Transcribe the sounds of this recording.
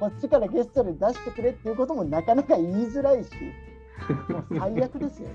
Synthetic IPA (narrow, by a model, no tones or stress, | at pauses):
ko̞t͡ɕːikaɾaɡe̞sɨ̥t̪oɾɯd̪aɕi̥t̪e̞kɯ̟ɾet̪ːeiɯ̟ko̞t̪o̞mo̞nakanakaiːzɨɾaiɕḭ | haidjakɯ̟d̪e̞sɨjo̰